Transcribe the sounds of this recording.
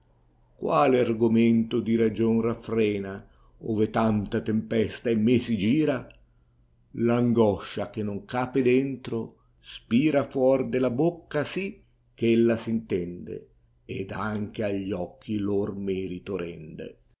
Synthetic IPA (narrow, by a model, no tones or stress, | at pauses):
kwaːlɪarɡʊment̪ʊd̪iɾad͡ʒonrafɾɛːna | oːvet̪ant̪at̪empɛst̪aɛmːesid͡ʒiːɾa | laŋɡɔʃːak̟enːoŋkaːped̪ɛnt̪ɾo | spiːɾafwɔrd̪ɪlabokːasi | kːelːasint̪ɛnd̪ḛ | ed̪aŋk̟eaʎːɔkʰːilormɛːɾit̪oɾɛnd̪ḛ